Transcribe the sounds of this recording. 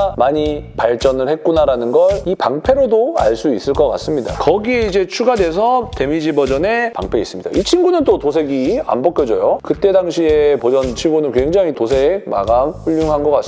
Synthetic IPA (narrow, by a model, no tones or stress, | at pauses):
maɲipaɭt͡ɕ͈ʌnɯɭhe̞k̚k͈unaɾanɯnɡʌɾipaŋpʰe̞ɾodoa̰ɭs͈uis͈ɯɭk͈ʌk͈a̰s͈ɯmɲida̰kʌɡie̞id͡ʑe̞t͡ɕʰuɡadwe̞s̬ʰʌte̞mid͡ʑibʌd͡ʑʌne̞pa̰ŋpʰe̞is͈ɯmɲid̥a̰it͡ɕʰinɡunɯnt͈otosʰe̞ɡia̰mbʌk͈jʌd͡ʑʌjokɯt͈e̞daŋɕʰie̞pod͡ʑʌnt͡ɕʰinɡunɯnkwe̞ŋd͡ʑaŋitosʰe̞ma̰ɡamɸuʎːuŋɦanɡʌk͈as